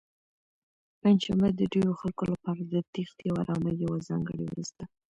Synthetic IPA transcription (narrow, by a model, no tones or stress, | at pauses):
panʃamad̪əɖewoxalkolapɑɾad̪ət̪ixt̪jawaɾɑmajawazɑ̰ŋɡə̰ɽḭw̰ɾust̪a